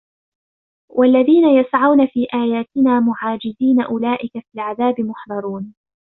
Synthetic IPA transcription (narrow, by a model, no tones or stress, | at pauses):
wʔalːaðiːnajasʕawnafiːʔaːjaːt̪ɪnaːmʊʕaːd͡ʒɪziːnaʔʊlaːʔɪkafilʕaðaːbɪmʊħðˤɑɾˤuːn